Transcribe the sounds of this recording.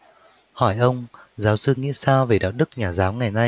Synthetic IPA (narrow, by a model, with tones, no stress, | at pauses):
hɔ˧˩jʔə˧wŋ͡m | zaː˨˦wsɨ˧ŋḭ˧˥saː˧ve˨˩ɗa̰ː˧˨˩wɗɨ˦˥k̚ɲaː˨˩zaː˨˦wŋa˨˩jna˧